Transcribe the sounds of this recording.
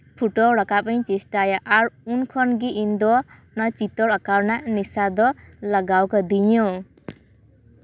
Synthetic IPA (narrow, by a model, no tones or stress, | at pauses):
pʰuʈoɾʌkapʌĩt͡sisʈajaʔaɾunkʰʌnɡiʔind̪o | nʌt͡sit̪ːɔɾʌkawnanisad̪ɔlʌɡawkɔd̪ijõ